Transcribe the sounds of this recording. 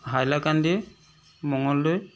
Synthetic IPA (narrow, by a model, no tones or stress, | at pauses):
ɦajlakandi | mɔŋɔlːʊj